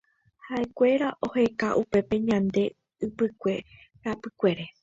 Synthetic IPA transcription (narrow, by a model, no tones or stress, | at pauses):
haʔe̞kʷe̞ɾaʔo̞he̞kaʔupe̞pe̞ɲãnd̪e̞ | ɨpɨkʷe̞ | ɾapɨkʷe̞ɾe̞